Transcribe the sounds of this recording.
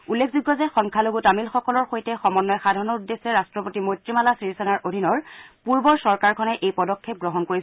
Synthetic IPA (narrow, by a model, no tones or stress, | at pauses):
ulːekʰzuɡːɔzɛxɔŋkʰaloɡutamilxɔkɔlɔɹxojtɛxɔmɔnːɔjxadʱɔɹnɔudːesɛɹastɹɔpotimojtɹimalasɹisɛnaɹʔodʱinɔɹpuɹbɔɹsɔɹkaɹkʰɔnɛʔejpɔdɔkʰːep̚ɡɹɔɦɔnkoɹis